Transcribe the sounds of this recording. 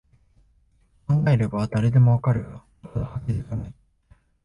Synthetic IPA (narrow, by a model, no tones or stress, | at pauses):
kãŋɡaeɾɯbaβad̪aɾe̞d̪e̞mo̞akaɾɯ̟jo | ahakʲid̪esanai